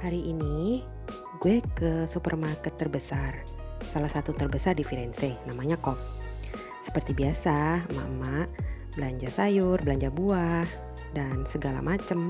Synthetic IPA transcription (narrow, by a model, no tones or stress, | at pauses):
haɾiʔini | ɡuɛkəsupərmarkət̪ːərbəsar | salahsat̪ut̪ərbəsardifiɾɛnsenamaɲakɔp̚ | sə̥pərt̪ibiasama̰ʔəmaʔ | bəlaɲd͡ʒasajʊrbəlaɲd͡ʒabuah | dansəɡala̰mat͡ʃəm